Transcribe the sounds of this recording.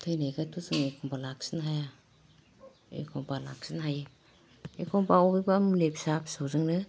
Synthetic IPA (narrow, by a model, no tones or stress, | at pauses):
tʰɯjnajɡatʰuzɯŋejkʰɔmpalak̚sinɦaja | ḛkʰɔmpala̰k̚sinɦaj | ḛkʰɔmbaɔbibamilepsapsawzɯŋnɯ